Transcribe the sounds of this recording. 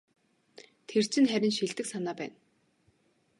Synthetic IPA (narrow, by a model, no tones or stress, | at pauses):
t̪ʰer̥t͡ɕʰɪ̆nχæɾʲɪ̆nʃiɮt̪ɘ̆ksanaːpæːn